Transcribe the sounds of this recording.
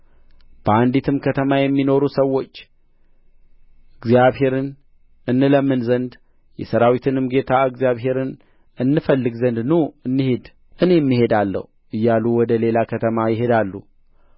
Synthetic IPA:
b̥əand̪it̪ʰɨmkʰət̪ʰəmajɛmːino̞ɾusəwːo̞t͡ʃː | ɨɡzjaβhe̞ɾɨn | ʔɨnːɨləmːɨnzənd̪ | jɛsəɾawit̪ʰɨnɨmɡe̞t̪ʰaɨɡzjaβɦe̞ɾɨn | ɨnːɨfəlːɨɡzənd̪nuɨnːɨhe̞d̪ | ʔɨne̞mːiɦe̞d̪alːə̰huʔɨjːaluwɔd̪əle̞lakʰət̪ʰəmajɪɦe̞d̪alːu

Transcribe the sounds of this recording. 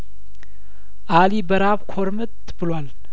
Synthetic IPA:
ʔalibəɾaβkʰoɾmət̪ | bɨlwal

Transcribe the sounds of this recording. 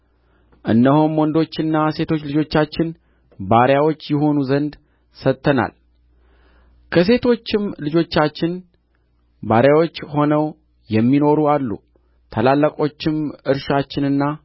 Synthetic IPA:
ʔɨnːəhomwɔnd̪o̞t͡ʃːɨnːase̞t̪ʰo̞t͡ʃːlɨd͡ʒo̞t͡ʃːat͡ʃːɪn | baɾjawo̞t͡ʃːjɛho̞nuzənd̪ | sət̪ʰʼːəna̰l | kʰəs̬e̞t̪ʰo̞t͡ʃːɪmlɨd͡ʒo̞t͡ʃːat͡ʃːɪn | baɾjawo̞t͡ʃːho̞nəw | jɛmːino̞ɾualːṵ | t̪ʰəlalːəkʼo̞t͡ʃːɪmʔɨɾʃat͡ʃːɪnɨnːa

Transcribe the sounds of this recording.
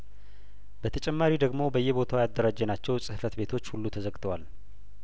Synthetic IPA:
bət̪ʰət͡ʃʼɛmːaɾid̪əɡmo̞bəjːɛbo̞t̪ʰawjad̪ːəɾad͡ʒːənat͡ʃːɛwsʼɨhfət̪be̞t̪ʰo̞t͡ʃːhulːut̪ʰəzəkʼt̪ʰəwal

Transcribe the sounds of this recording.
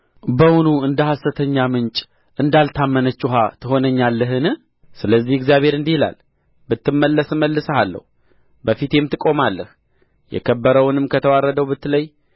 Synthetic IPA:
bəwunuɨnd̪əhasət̪ʰəɲːamɨnt͡ʃʼ | ʔɨnd̪alt̪ʰamːənət͡ʃːuɦat̪ʰɨɦo̞nəɲːalːəɦɨnɨ | sɨləzːihɪɡzjaβe̞ɾɨnd̪ihila̰l | bɨt̪ːɨmːəlːəsɨməlːɨsəhalːə̰hu | bəfit̪jemt̪ɨkʼo̞malːəh | jɛ̰kʰəbːəɾəwʊnɨmkʰət̪ʰəwarːəd̪əwbɨt̪ːləj

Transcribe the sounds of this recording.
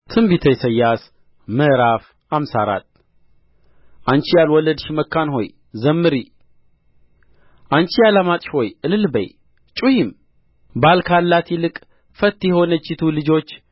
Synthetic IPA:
t̪ʰɨmbit̪ʰəjsəjːas | mɨʔɾaf | amsa̰ɾa̰t̪ | ʔant͡ʃijalwɔlːəd̪ʃiməkːanho̞̰j | zəmːɨɾi | ʔant͡ʃijalamat̪ʼʃho̞jɨlɨlbə̰j | t͡ʃʼujim | balkʰalːat̪ʰjilɨkʼ | fət̪ːjɛho̞nət͡ʃːɪt̪ʰulɨd͡ʒo̞t͡ʃː

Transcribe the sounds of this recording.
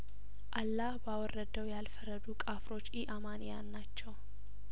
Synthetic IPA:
ʔalːahbawɔrːəd̪əwjalfəɾəd̪ukʼafɾo̞t͡ʃːiʔamanjanːat͡ʃːɛw

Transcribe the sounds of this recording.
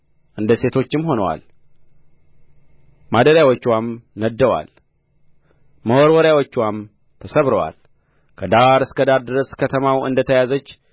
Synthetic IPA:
ʔɨnd̪əse̞t̪ʰo̞t͡ʃːɪmho̞nəwa̰l | mad̪əɾjawot͡ʃːwamnəd̪ːəwa̰l | məwoɾwɔɾjawot͡ʃːwam | t̪ʰəsəβɾəwa̰l | kʰəd̪aɾɨskəd̪aɾd̪ɨɾəskʰət̪ʰəmawɨ̰nd̪ət̪ʰəjazət͡ʃː

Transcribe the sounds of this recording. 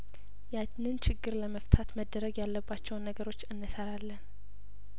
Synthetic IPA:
ja | nɨnt͡ʃʰɪɡːɨɾləməft̪ʰat̪məd̪ːəɾəɡjalːəbːat͡ʃːɛwnːəɡəɾo̞t͡ʃːɨnːɨsəɾalːən

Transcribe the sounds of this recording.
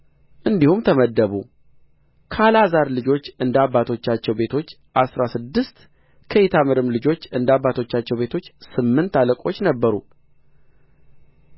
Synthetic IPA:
ʔɨnd̪ihumt̪ʰəməd̪ːəβu | kʰalazaɾlɨd͡ʒo̞t͡ʃːɨnd̪abːat̪ʰo̞t͡ʃːat͡ʃːɛwbe̞t̪ʰo̞t͡ʃː | ʔasɾasɨd̪ːɨst̪ | kʰəjɛt̪ʰamɨɾɨmlɨd͡ʒo̞t͡ʃːɨnd̪abːat̪ʰo̞t͡ʃːat͡ʃːɛwbe̞t̪ʰo̞t͡ʃːsɨmːɨnt̪aləkʼo̞t͡ʃːnəbːəɾṵ

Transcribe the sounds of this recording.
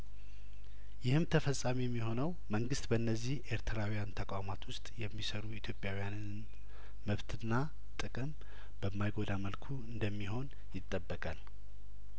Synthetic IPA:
jɪhɨmt̪ʰəfəsʼamijɛmːiho̞nəw | məŋɡɨst̪bəɨnːəzːihʔe̞ɾt̪ʰɾawijant̪ʰəkʼamat̪ʰwʊst̪ʼjɛmːisəɾuit̪ʰjo̞pʼjawijanɨn | məβt̪ʰɨnːa | t̪ʼɨkʼɨm | b̥əmːajɡo̞d̪aməlkʰuɨnd̪əmːiɦo̞n | jɪt̪ʼːəbːəkʼal

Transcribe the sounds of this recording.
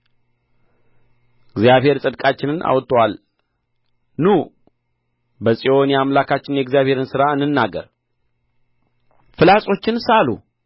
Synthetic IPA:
ɪɡzjaβhe̞ɾsʼɨd̪kʼat͡ʃːɪnɨnʔa̰wt̪ʰːəwal | nu | bəsʼio̞njamlakʰat͡ʃːɪnjɛɡzijaβhe̞ɾɨnsɨɾaɨnːɨnːaɡə̰ɾ | fɨlasʼo̞t͡ʃːɪnsalṵ

